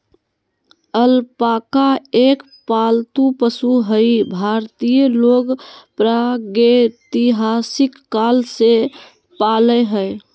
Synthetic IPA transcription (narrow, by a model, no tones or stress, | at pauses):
əlpakaek | palt̪upəsuɦəibʱaɾt̪ijəloɡpɾaɡet̪iɦasikːalse | paləɦəj